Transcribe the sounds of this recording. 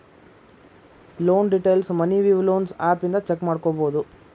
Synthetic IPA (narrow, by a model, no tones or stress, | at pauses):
loːnɖiʈejlsmɐniʋiːʋloːnsaːpind̪ɐt͡ʃekːmaːɽkobo̞ːd̪u